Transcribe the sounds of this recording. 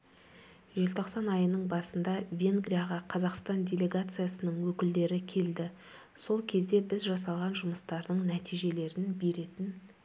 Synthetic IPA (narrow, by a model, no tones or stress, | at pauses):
ʒe̞lt̪ʰo̞qsɑnɑjənəɴbɑsənd̪ɑvʲe̞ŋɡɾʲijaʁɑqʰɑzɑqst̪ɑndʲe̞lʲe̞ɡat̪sɨjasənəɴwɵkʲɪld̪e̞ɾɪkʲʰe̞ld̪ɪ | so̞lˠkʲʰe̞zd̪e̞bɪzʒɑsɑlˠʁɑnʒʊməst̪ɑɾd̪əɴnæt̪ijʒe̞le̞ɾɪnbe̞ɾe̞t̪ɪn